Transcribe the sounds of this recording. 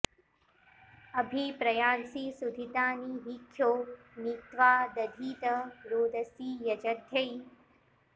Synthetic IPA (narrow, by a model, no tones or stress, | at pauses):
ɐbʱipɾɐjaːnsiːsud̪ʱit̪aːniːɦikʰːjoː | nit̪ʋaːd̪ɐd̪ʱiːt̪ɐɾoːd̪ʱɐsiːjɐd͡ʒɐt̪jɐi